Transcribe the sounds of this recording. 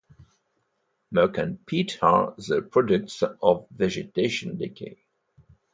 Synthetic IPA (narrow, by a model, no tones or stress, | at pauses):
məkə̃npʰitʰə̰zəpʰɹ̥ɔdək̚tsɔvːɛd͡ʒɪteɪʃə̃ndɛkʰḛ